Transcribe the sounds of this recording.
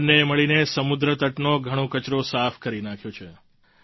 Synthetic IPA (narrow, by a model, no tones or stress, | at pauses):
neməɭinesəmud̪ɾət̪əʈnoɡʱəɽ̃õkət͡ʃɾosafʰkəɾinãkʰjot͡ʃʰe